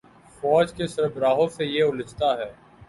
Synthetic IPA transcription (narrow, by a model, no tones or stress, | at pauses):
fɔːd͡ʒkesɪɾəbɾaːɦosejeʊlɪt͡ʃt̪aɦɛː